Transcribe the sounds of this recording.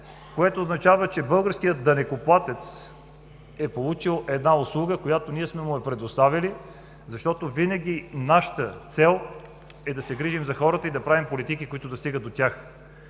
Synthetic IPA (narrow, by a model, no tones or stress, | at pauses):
koɛt̪oːznɐt͡ʃavət͡ʃɛbɤlˠɡəɾskijət̪̚d̪ɐnɛkoplˠat̪ɛt̪s | ɛpolˠut͡ʃilˠɛd̪naʊslˠuɡəkojat̪oniɛsmɛmʊɛpɾɛd̪ost̪avili | zɐʃt̪ɔt̪ovinəɡ̟ʲinaʃə̥t̪ət̪sɛlˠ | ɛd̪ɐsɛɡɾiʒimzɐxɔɾət̪əid̪ɐpɾavimpolit̪ikikoit̪ʊd̪ɐst̪iɡət̪̚ot̪ʲax